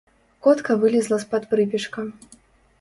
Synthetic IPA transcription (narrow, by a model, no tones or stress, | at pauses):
kɔt̪kɐvɨlʲizlˠɐspɐt̪pɾɨpʲiʂkɐ